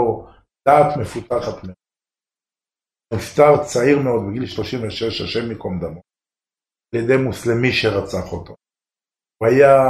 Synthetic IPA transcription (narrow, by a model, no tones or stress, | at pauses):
o | d̪̥aːt̪me̞fut̪aχat̪meod | ift̪aʁt͡saiʁmeo̞d̪̚beɡilʃlo̞ʃimveʃeʃa̰ʃemːikomd̪amo | aljed̪e̞jmuslemiʃeʁat͡saχot̪o | vaja